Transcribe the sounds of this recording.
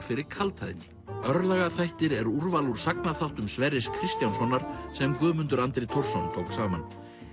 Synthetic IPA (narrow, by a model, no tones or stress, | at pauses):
fɪɾɪɾ̥kʰalt̪ʰaðɪnːɪ | œɾlɛɣaθajht̪ɪɾɛɾuɾvaluɾ̥sak̚naθawht̪ʏmsvɛɾɪskʰɾɪst̪jawnsɔnːaɾ̥sɛmkʏːmʏnt̪ʏɾant̪ɾet̪ʰowr̥sɔnt̪ʰowksaːman